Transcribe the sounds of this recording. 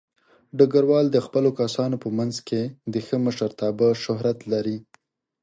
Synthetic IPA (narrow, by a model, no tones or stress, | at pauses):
ɖaɡaɾwɑld̪əxpəlokasɑnopəmanzked̪əxəməʃəɾt̪ɑbəʃʊɦɾat̪laɾi